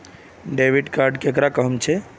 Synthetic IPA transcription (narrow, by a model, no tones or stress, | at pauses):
ɖebʱiɖkaɾɖkekɾakəɦəmt͡ʃʰɛ